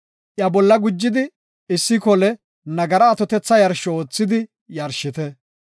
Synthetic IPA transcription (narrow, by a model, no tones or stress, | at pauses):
ʔjɐbɔlːɐɡʊd͡ʒːɪd̪ɪ | ɪsːɪkɔlɛ | nɐɡɐɾɐːt̪ɔt̪ɛt͡sːɐjɐɾʃːɔoːt͡sːɪd̪ɪ | jɐɾʃɪt̪ɛ